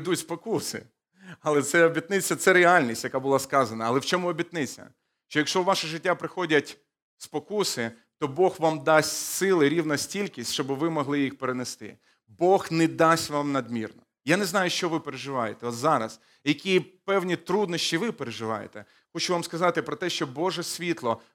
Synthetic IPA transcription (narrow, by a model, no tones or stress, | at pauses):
d̪utʲspɔkusɪ̰ | ɐlˠɛt̪sɛɔbʲit̪nɪt͡sʲːɐt̪sɛɾealʲnʲisʲtʲjɐkabʊlˠɑskɑzɐnɐːlˠɛwt͡ʃɔmʊɔbʲit̪nɪt͡sʲːɐ̰ | ʃt͡ʃɔjɐkʃɔʋɑʃɐʒɪtʲːapɾɪxɔdʲɐtʲ | spɔkusɪ | t̪ɔbɔxʋamd̪ɑsʲtʲsɪlˠɪɾʲiwnɐsʲtʲilʲkʲisʲtʲt͡ʃɔbɪʋɪmɔɦlˠɪjixpeɾenest̪ɪ̰ | bɔxnɛd̪ɑsʲʋɑmnɐd̪mʲirnɔ | janɛznɑjʊʃt͡ʃɔʋɪpeɾeʒɪʋɑjet̪ɛɔt̪zɑɾɐ̰s | jɐkʲipɛwnʲit̪ɾud̪nɔʃʲt͡ʃʲiʋɪpeɾeʒɪʋɑ̰jḛt̪ɛ | xɔt͡ʃʊʋamskɐzɑt̪ɪpɾɔt̪ɛʃt͡ʃɔbɔʒɛsʲʋʲit̪lˠɔ